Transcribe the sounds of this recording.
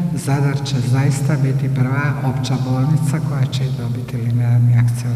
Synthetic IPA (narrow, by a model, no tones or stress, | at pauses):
zad̪aɾt͡ɕezajist̪abit̪ipr̩ʋaʔo̞pt͡ɕabo̞ːlˠnit̪sako̞jat͡ɕeid̪o̞bit̪ilinealniakt̪sio